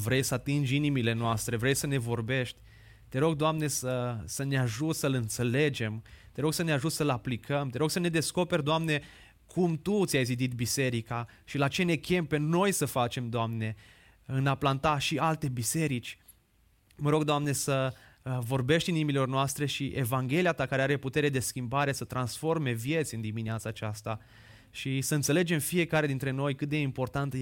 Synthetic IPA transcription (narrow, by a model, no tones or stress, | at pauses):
vɾe̞jsəat̪ind͡ʒʲinimile̞noast̪ɾe̞vɾe̞jsəne̞vo̞rbe̞ʃt̪ʲ | t̪e̞ɾo̞ɡd̪oamne̞səsəneaʒut̪səlɨnt̪se̞le̞d͡ʒe̞mt̪e̞ɾo̞ɡsəneaʒut̪səlaplikʰəmt̪e̞ɾo̞ɡsəne̞d̪e̞sko̞pe̞rʲd̪oamne̞ | kʰumt̪ut̪sʲajzid̪it̪bise̞ɾika | ʃilat͡ʃe̞ne̞kʲe̞mpe̞no̞jsəfat͡ʃe̞md̪oamne̞ | ɨnaplant̪aʃialt̪e̞bise̞ɾit͡ʃʲ | məɾo̞ɡd̪oamne̞sə | vo̞rbe̞ʃt̪ʲinimilo̞rnoast̪ɾe̞ʃiʔe̞vaŋɡʲe̞liat̪akaɾeaɾe̞put̪e̞ɾe̞d̪e̞skʲimbaɾe̞sət̪ɾansfo̞rme̞vje̞t̪sʲɨnd̪imineat̪saːt͡ʃast̪a | ʃisəɨnt̪sele̞d͡ʒe̞mfije̞kaɾe̞d̪int̪ɾe̞no̞jkɨt̪̚d̪e̞impo̞rt̪ant̪